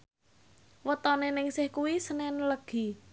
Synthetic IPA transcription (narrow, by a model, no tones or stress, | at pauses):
wət̪ɔnenɪŋsɪhkuwisənɛnləɡ̥i̤